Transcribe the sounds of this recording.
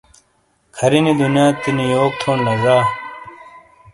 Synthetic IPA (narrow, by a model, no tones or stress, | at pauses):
kʰɐɾinid̪unjaːt̪inijoːk̚t̪ʰoːnlɐɡaː